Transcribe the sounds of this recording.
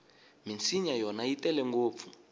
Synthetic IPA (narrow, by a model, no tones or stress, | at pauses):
mint͡siɲajɔnaitɛlɛŋɡoːp̪fu